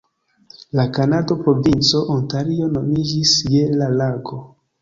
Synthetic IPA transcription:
lakanado̞pɾo̞vint͡so̞ʔontaɾio̞no̞mid͡ʒisje̞lalaɡo̞

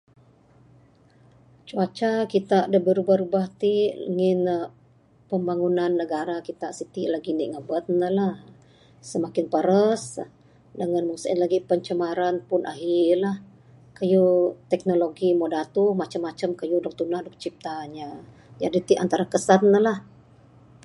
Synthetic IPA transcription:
t͡ʃuat͡ʃakit̪aʔdəbəɾubaɾubaht̪iʔŋɪn | pəmbaŋunanːəɡaɾakit̪aʔsit̪iʔlaɡiniʔŋəbət̪̚nəlah | səmakɪnpəɾəs | dəŋanmuŋsaḭnlaɡipəɲt͡ʃəmaɾanpʊnʔa̰ɦilah | kajut̪ɛk̚noloɡimodat̪uhmat͡ʃəmːat͡ʃəmkajudɔk̚t̪unahdɔk̚t͡ʃip̚t̪aɲa | d͡ʒadit̪iʔant̪aɾakəsat̪ːəlah

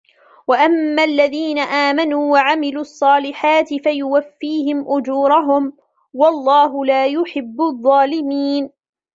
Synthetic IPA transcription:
waʔamːaːlːaðiːnaʔaːmanuːwaʕamɪluːʔɑsˤːɑːlɪħaːt̪ɪfajʊwafːiːhɪmʔʊd͡ʒuːɾˤɑɦʊm | wɑlˤːɑːɦʊlaːjʊħɪbːʊðˤːɑːlɪmiːn

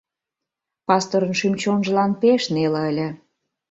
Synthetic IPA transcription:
pɑst̪oɾənʃymt͡ɕonʒəlɑnpeʃnelə̆əlʲə̆

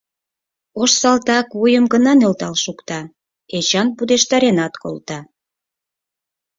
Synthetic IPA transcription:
oʃsɑlt̪ɑkvujəmɡənɑnølt̪ɑlʃukt̪ɑ | et͡ɕɑnpud̪eʃt̪ɑɾenɑt̪ko̰lt̪ɑ

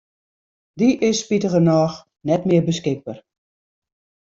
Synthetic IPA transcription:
diʔɪspitəɣənɔːx | nɛtmɪərbəskɪk̚bər

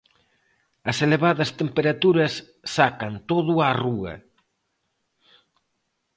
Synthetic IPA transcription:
ɐseleβaðɐst̪empeɾat̪uɾɐsː | akɐnt̪oðuaruɐ̰

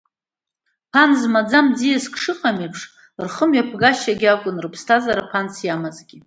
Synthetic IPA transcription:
pʰanzmad͡zamd͡zijaskʰʼʂɨqʼamipʰʂ | rχəmɥapʰɡaʃaɡʲakʷʼʊnrɨpʰstʰazaɾapʰansjamazɡʲi

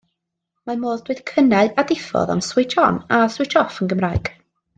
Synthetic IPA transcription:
mamoːðd̥wɨd̥kʰənaɨadɪfɔ̰ða̰nswɪd͡ʒɔnaswɨt͡ʃɔfənɡəmraɨɡ̥

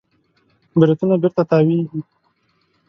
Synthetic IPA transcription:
bɪɾat̪unabɪɾt̪at̪ɑwinɦi

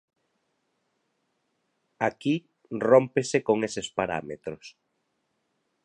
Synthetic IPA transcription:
aki | rompesekoŋesespaɾa̰met̪ɾʊs

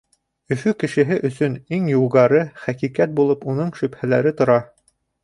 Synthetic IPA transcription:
ɵ̆fʉkɘ̆ʃɘ̆ɦɘʔɵ̆sɵniŋjulˠʁɑɾɤχækikæt̪̚bulˠɤpunɤɴʃɵ̆phælæɾɘt̪ŏɾɑ

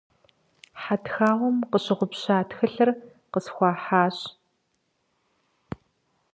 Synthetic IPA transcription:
ħatxaːʁʷɔmqəɕɪʁʷʊpɕaːtxɨɬɐr | qəsxʷɑːħaːɕ

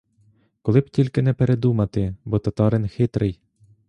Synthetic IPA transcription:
kɔlˠɪb̥̚tʲilʲkɪnɛpeɾed̪umɐt̪ɪbɔt̪ɐt̪ɑɾɪnxɪt̪ɾɪj

